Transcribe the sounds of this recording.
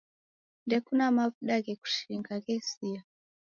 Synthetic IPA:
ndɛkunamavuɗaɣɛku̥ʃiɾiŋɡaɣɛsia

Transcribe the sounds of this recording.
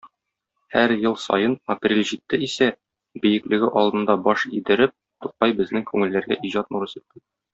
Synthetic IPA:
hæɾjɤlˠsɒ̰jɤnɐprʲelʲʑit̪ːɘisæ | bɘ̆jɘ̆klɘ̆ɡɘʔɒlˠd̪ɤ̆nd̪ɑbɒʃid̪ɘ̆ɾɘp̚ | t̪uq̚ɑjbɘ̆znɘŋkʉŋɘ̆lːæɾɡæ̰ʔiʑɑt̪̚muɾɤsit̪̚ːi

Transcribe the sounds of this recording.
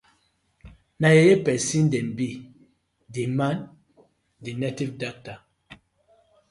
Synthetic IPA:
najejepɛsin̩dɛnbi | diman | dinetivdak̚ta

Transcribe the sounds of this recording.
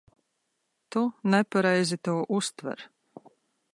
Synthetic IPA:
t̪unɛpaɾɛjzit̪uːʔust̪vɛ̰ɾ

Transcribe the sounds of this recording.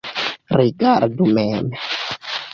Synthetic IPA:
riɡaɾdumɛːmɛ

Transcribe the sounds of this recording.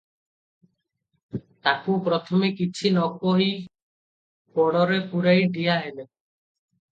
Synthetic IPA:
t̪akupɾɔt̪ʰɔmekit͡ʃʰinɔkoɦi | kɔɽ̃ɔɾepuɾajɖʱijaɦele

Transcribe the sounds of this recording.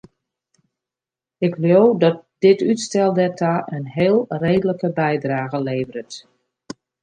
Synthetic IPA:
ɪkljowdɔt̚dɪtytstɛlˠdɛtʰaʔənɦeːlˠreːdələkəbɛjdraːɣəleːvəɾət

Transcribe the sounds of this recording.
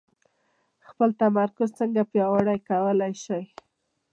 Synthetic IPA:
xpəlt̪amaɾkʊzt͡səŋɡapjɑwaɽajkawəlajʃaj

